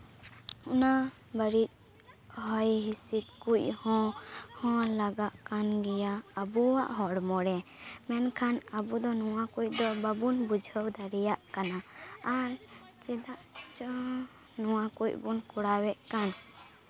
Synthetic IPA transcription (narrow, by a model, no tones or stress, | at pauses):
una | bəɾit̪̚ | ɦɔjɦisit̪̚kuʔhɔ̃hɔ̃laɡaʔkanɡɛjaːbuwaʔɦɔɽmɔɽɛmɛnkʰanəbud̪ɔnɔwakuc̚d̪ɔbabunbud͡ʒʱəwd̪aɾɛjaʔkanaːɾ | t͡ʃɛd̪aʔt͡ʃɔ | nɔwakucbunkuɽawɛʔkan